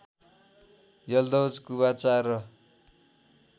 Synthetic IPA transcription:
jʌld̪ʌwd͡zkuβat͡sarʌ

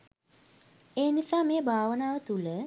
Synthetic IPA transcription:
eːnisaːmeːbʱaːʋənaːʋət̪ulə

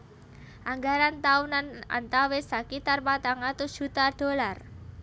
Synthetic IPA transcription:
ʔaŋɡaɾant̪aunana̰nt̪awɪsakit̪arpat̪aŋat̪u̥ʒ̥ṳt̪ard̪̥o̤lar

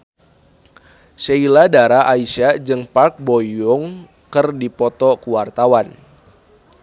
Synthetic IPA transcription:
ʃeiladaɾaʔaiʃad͡ʒɨŋpark̚bɔjʊŋ | kɨrdipɔt̪ɔkuwart̪awan

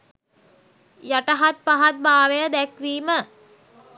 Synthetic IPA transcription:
jaʈəɦat̪̚paɦat̪̚baːʋejad̪ækʋiːmə

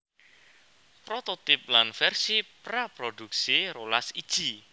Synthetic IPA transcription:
pɾot̪ot̪ɪp̚lanfɛrsipɾapɾod̪̥uk̚siɾolasid̥ʒ̥i

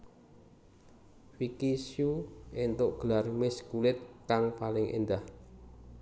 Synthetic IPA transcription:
wikisjuent̪ʊʔɡ̥əlarmɪskulɪt̪̚kaŋpalɪŋʔḛnd̪ah

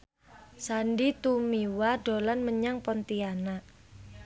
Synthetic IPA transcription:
sandit̪umiwaɖo̤lanməɲaŋpɔnt̪iana

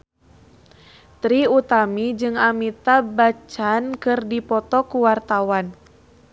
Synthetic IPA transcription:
t̪ɾiut̪amid͡ʒɨŋamit̪abat͡ʃankɨrdipɔt̪ɔkuwart̪awan

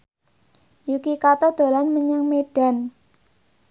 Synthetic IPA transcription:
jukikat̪ɔd̪̥o̤lanməɲaŋmeɖ̥a̤n

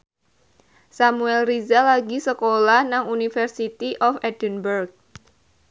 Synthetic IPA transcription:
samuɛlrizalaɡisəkolahnaŋunifərsit̪iʔɔfɛd̥ənbərɡ̚

